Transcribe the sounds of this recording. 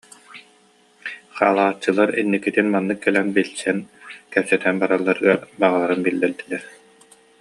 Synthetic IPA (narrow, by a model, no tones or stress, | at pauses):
χa̰ːlˠaːt͡ɕːɯlˠaɾinːikːit̪inmanːɯkːɛlɛnbilsɛnkɛpsɛt̪ɛnbaɾalˠːaɾɯɡaɾbaʁalˠaɾɯnbilːɛld̪ilɛɾ